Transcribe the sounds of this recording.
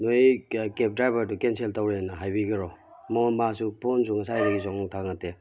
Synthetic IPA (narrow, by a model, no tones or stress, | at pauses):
nojkep̚dɾajbɐɾdukenseltawɾenːɐɦajbiɡɐɾɔmɔnmasupʰonsuŋɐsajɾeɡizɔŋtʰaŋate